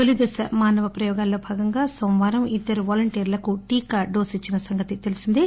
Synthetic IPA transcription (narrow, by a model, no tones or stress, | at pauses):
olid̪ɐsɐ̰maːnɐʋɐpɾɐjɔːɡaːlːo̞ːbʱaːɡɐŋɡaːsomʋaːɾɐmid̪ːɐɾuʋaːlɐɳʈeːɾlɐkuʈiːkaɖoːsit͡ʃːinɐsɐŋɡɐt̪it̪e̞lisind̪i